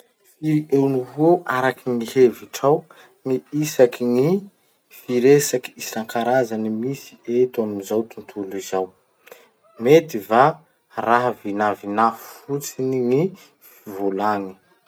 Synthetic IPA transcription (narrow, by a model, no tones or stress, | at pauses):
fiɾiewnuɦuoʔaɾakiŋiheviʈ͡ʂaw | niisakini | fiɾesaki̥isaŋkaɾazanimisi̥et̪amumizawt̪unt̪ʰulizaw | met̪iva | raɦvinavinafu̥fut͡siniŋi | ffivolani̥